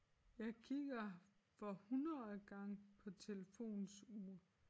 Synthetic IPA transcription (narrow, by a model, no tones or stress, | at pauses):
jɑ̈ɪkʰiɡ̥ɐ | fɒ̽hunɐðˠɡ̥ɑ̈ŋpʰɒ̽t͡sʰe̝ləfo̝̰ːnsuː